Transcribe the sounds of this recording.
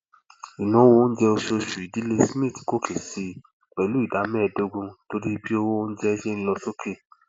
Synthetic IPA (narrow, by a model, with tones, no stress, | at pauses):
i˨nã˨˦wn̩˦d͡ʒɛ˧o˧ʃo˧ʃu˨i˨di˨˦le˦smĩ˦˨ti˨ko˦kʰe˨si˧ | k͡pɛ˨lu˨˦i˦˨da˨˦mɛ̃˦˧˨do˧ɡũ˧to˧ɾi˦bi˦o˦˧wo˦wo˦n̩˦d͡ʒɛ˧ʃe˦ñ̩˦˧lɔ˧so˦kʰe˦˨